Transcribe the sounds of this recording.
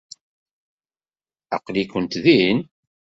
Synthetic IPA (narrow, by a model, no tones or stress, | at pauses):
æ̰qlikənt̪ðin